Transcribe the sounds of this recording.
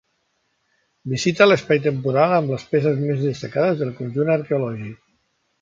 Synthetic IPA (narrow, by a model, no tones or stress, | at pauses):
bizit̪ələspajt̪əmpuɾalˠəmbləspes̬əzmezðəst̪əkaðəzðəlˠkunʲʒunəɾkeulɔʒik̚